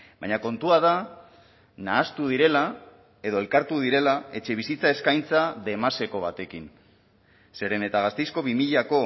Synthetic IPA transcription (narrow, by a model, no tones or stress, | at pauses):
bajɲako̞nt̪uað̞a | naːst̪uðiɾe̞la | e̞ð̞o̞e̞lkaɾt̪uð̞iɾe̞lae̞t͡ʃe̞β̞isit͡sae̞skajnt͡saðe̞mase̞koβ̞at̪e̞kin | se̞ɾe̞ne̞t̪aɣ̞ast̪ejsko̞βimiʎako̞